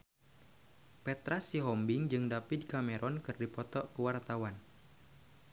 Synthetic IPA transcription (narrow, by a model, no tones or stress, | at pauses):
pɛt̪ɾasiɦɔmbɪŋd͡ʒɨŋdapidkamɛɾʔɔnkɨrdipɔt̪ɔʔkəwart̪awan